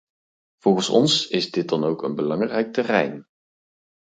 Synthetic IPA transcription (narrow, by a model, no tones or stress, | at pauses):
v̥ɔlˠɣənsɔ̰nsɪzdɪt̚dɑnowkənbəlɑŋrɛjk̚tərɛ̰jn